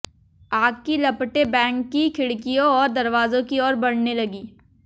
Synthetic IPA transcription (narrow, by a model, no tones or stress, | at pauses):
aːɡ̚kilɐpʈebɛ̃ːŋkːikʰɪɽkijõɔːɾd̪ɐɾʋaːzõkiɔːɾbɐɽ̤nelɐɡiː